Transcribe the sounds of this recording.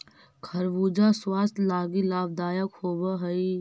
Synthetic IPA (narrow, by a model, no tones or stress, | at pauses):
kʰɐɾʋuːd͡ʒaswaːst̪laːɡilaːbd̪aːjəkhoːbaɦɐi